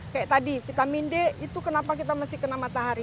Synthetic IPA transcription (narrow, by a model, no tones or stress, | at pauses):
kajaʔt̪adifit̪amindɛit̪ukənapakit̪amasɪhkənamat̪aɦaɾi